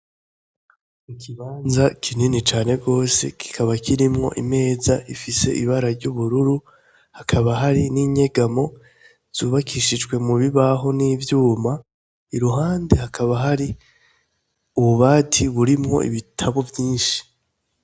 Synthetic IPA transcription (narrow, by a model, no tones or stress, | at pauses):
ukʰiβaːnzakʰininit͡ʃaːne̞ɡo̞ːse̞̰kʰi̥kʰaβakʰiɾimŋo̞̰ʔime̞ːzaifise̞̰ʔiβaɾaɾɟuβuɾuɾu | hakʰaβaɦaɾiniːɲe̞ɡamo̞ | z̥uːβakʰiʃid͡ʒɡwe̞muβiβaɦo̞niːvjuːma | iɾuɦaːnde̞hakʰaβaɦaɾi | uβuβaːtʰiβuɾimŋo̞̰ʔḭβitʰaβo̞vjiːnʃi̥